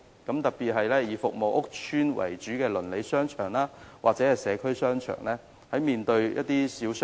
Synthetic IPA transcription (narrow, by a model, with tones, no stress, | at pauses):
kɐ˨˥mt̪ɐ˨k̚piː˨t̚ɦɐ˨jlɛː˥jiː˨˧fʊ˨k̚mo˨wʔʊ˥k̚t͡ʃʰyː˥nwɐ̰˨˩jt͡ʃyː˨˥kɛː˧lɵ˨˩nle˨˧jsœː˥ŋt͡ʃʰœ̰ː˨˩ŋlaː˥wa̰ː˨k̚t͡sɛː˨˥hɐ˨jsɛː˨˧kʰɵ˥ɥsœː˥ŋt͡ʃʰœ̰ː˨˩ŋlɛː˥ | hɐ˨˥jmiː˨nt̪ɵ˧ɥjʔɐ̰˥t̚t̪iː˥siː˨˥ws